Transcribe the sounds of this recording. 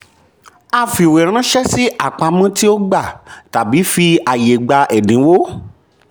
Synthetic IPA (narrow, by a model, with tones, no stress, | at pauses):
a˧fi˨wɛ˨ɾ̃ã˦ʃɛ˦si˦ʔa˦˨k͡pa˧mã˦ti˦o˦ɡ͡ba˦˨ta˨bi˨˦fi˧a˨je˨ɡ͡ba˧ʔɛ˨nĩ˨˦wo˦